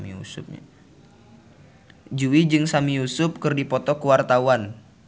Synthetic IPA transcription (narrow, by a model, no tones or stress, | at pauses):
ḭṵsʊp̚ɲ̰ | d͡ʒuwid͡ʒɨŋsamijusʊp̚kɨrdipɔt̪ɔkuwart̪auan